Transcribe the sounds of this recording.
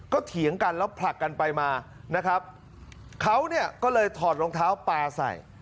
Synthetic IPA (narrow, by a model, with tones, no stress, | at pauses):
kɔː˥˩t̪ʰi˨˩˦əŋka˧nlɛː˦˥wpʰla˨˩kːa˧npa˧jmaː˧ | na˦˥kʰɾa˦˥p̚ | kʰa˦˥wni˥˩ɐkɔː˥˩lɤː˧jt̪ʰɔː˨˩t̪̚ɾoː˧ŋt̪ʰaː˦˥wpaː˧sa̰˨˩j